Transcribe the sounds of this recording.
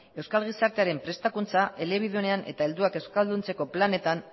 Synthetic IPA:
e̞wskalɣ̞isaɾt̪e̞aɾe̞mpɾe̞st̪akunt͡saʔe̞le̞β̞iðone̞ane̞̰t̪ae̞ld̪uake̞wskald̪unt͡se̞ko̞plane̞t̪an

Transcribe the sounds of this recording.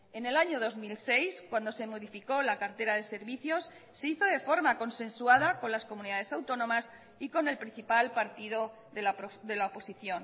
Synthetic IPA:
e̞ne̞laɲo̞ðo̞zmilse̞jskwand̪o̞se̞mo̞ðifiko̞lakaɾt̪e̞ɾaðe̞se̞ɾβiθjo̞sː | e̞iθo̞ðe̞fo̞ɾmako̞nsẽ̞nsuað̞ako̞nlasko̞mũniðað̞e̞sawt̪o̞nõ̞mas | iko̞ne̞lpɾin̟θipalpaɾt̪iðo | ðeðe̞laopo̞siθjo̞n

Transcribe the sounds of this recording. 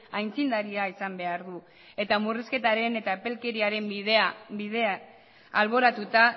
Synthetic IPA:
ajnt͡sind̪aɾiaisambe̞aɾðu | e̞t̪amuriske̞t̪aɾe̞ne̞t̪aepe̞lke̞ɾiaɾe̞meabiðea | alβ̞o̞ɾat̪ut̪a

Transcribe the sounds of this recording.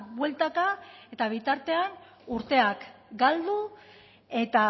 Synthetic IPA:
βwe̞lt̪akae̞t̪aβ̞it̪aɾt̪e̞an | uɾt̪e̞akɡald̪u | e̞t̪a

